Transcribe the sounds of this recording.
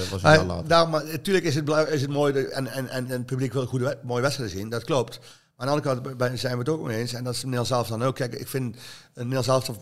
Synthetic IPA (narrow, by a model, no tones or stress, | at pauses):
ʋɑsla̰ːdaːmatyːələkɪsət̚blɛɪsətmoːjɛnɛnɛn̚pyblikʋɪlxudmoːjəʋɛtsɛtəzindɔtklop̚t | maɪnɑndəkɑntbɛzɛjnʋətokmḭeːnsɛndɔtɪsneːlˠzɛlˠəftɔnoːkʰːɛɪkɪ̰kfɪnənːeːlˠzɛlˠft